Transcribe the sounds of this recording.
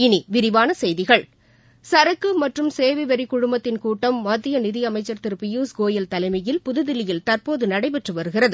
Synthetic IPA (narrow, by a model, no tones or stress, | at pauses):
ɪniʋɪɾɪʋaːnɐsɛjðɪɣɐɭ | sɐɾɐkːɯmɐʈrɯmseːʋɪʋɐɾɪkʊɻʊmbɐt̪ːɪnkuːʈːɐmːɐd̪ːɪjɐnɪðɪɐmɐɪt͡ʃːɐɾt̪ɪɾpɪjuːsɡoːjɐlt̪ɐlɐɪmɐjɪlpʊðɯðɪlɪjɪlt̪ɐrpoːðɯnɐɽɐɪpɛʈrɯʋɐɾɯɣɪrɐðɯ